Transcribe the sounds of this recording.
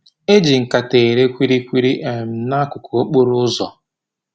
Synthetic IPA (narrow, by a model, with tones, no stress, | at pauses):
e˦d͡ʒi˨ŋ̩˨ka˨te˨ɾe˦kʷi˦ɾi˦kʷi˦ɾi˦ʔe˨m̩˨na˦kʊ˨kɔ˨o˦k͡po˦ɾʊ˦ʊ˦zɔ˨